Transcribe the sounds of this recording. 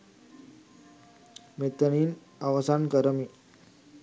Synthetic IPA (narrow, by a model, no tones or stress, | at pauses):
met̪əɳiːn | aʋəsankəɾəmi